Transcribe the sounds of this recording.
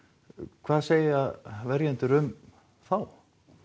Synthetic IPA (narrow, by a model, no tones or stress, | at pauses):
kʰv̥aːðseːjavɛɾjɛnt̪ʏɾʏm | θaw